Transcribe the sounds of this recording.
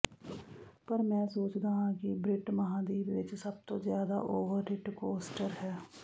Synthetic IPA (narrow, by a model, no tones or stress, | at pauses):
pəɾmɛ̃ːsoːt͡ʃd̪aːɦãkibɾɪʈməɦãːd̪iːbʋɪt͡ʃsəb̚t̪ozjaːd̪a̰ʔoːʋəɾːɪʈkoːsʈəɾɦɛː